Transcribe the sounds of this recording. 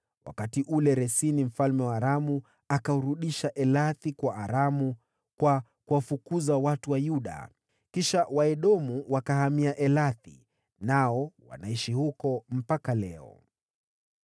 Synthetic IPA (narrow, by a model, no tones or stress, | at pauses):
wa̰katiʔulɛɾɛsinim̩falmɛwaːɾamu | akauɾuɗiʃaʔɛlaθikwaʔaɾamu | kwakuwafukuzawatuwajuɗa̰ | kiʃawaɛɗɔmuwakahamiaʔɛlaθḭ | naɔwa̰naiʃihukɔm̩pakalɛɔ̰